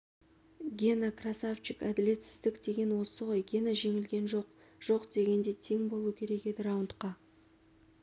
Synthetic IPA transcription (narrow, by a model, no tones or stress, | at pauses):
ɡʲenakrasaft͡ʃɪkæd̪ɪle̞t̪sɪ̥zd̪ɪkd̪e̞ɡʲe̞nwo̞səʁo̞jɡʲenaʒe̞ŋɪlɡʲe̞nʒo̞q | ʒ̥o̞qd̪e̞ɡʲe̞nd̪e̞t̪ʰe̞ŋbo̞lˠuwəkʲʰe̞ɾe̞ke̞d̪ɪɾɑwʊnt̪qɑ